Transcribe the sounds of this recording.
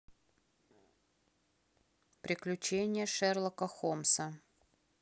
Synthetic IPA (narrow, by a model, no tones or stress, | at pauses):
pɾʲɪklʲʉt͡ɕenʲɪjəʂɛrlˠəkəxomsə